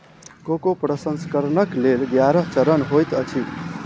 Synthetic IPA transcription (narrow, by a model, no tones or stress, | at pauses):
kokopɾʌsənskəɾnʌklelɡjaɾʌɦt͡ʃʌɾʌnɦojt̪ʌt͡ʃʰit̪